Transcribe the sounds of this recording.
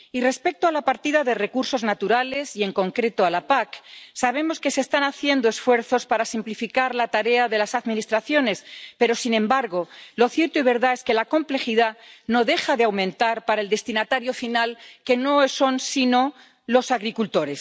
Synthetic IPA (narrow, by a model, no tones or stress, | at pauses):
ire̞spe̞k̚t̪oalapaɾt̪iðaðe̞re̞kuɾso̞znat̪uɾale̞sie̞ŋko̞ŋkɾe̞t̪oalapaksaβe̞mo̞ske̞sest̪anaθje̞nd̪o̞e̞sfweɾθo̞spaɾasimplifikaɾlat̪aɾe̞aðe̞lasaðmĩnist̪ɾaθjo̞ne̞spe̞ɾo̞sinẽ̞mbaɾɣo̞lo̞θjeɾt̪oiβ̞e̞ɾðae̞ske̞lako̞mple̞xiðano̞ðe̞xaðeawmẽnt̪aɾpaɾae̞ld̪e̞st̪inat̪aɾjo̞finalke̞no̞eso̞nsino̞ | lo̞saɣɾikult̪o̞ɾe̞s